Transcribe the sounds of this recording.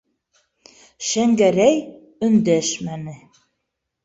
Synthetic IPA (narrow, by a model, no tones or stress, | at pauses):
ʃæŋɡæɾæj | ɵ̆nd̪æʃmænɘ